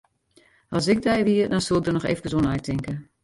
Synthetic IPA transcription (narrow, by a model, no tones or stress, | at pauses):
ɑlˠs̬ɪk̚dɛjʋiədɔnsol̚ˠdərnɔxḛːfəkəzonɛjtʰɪŋkə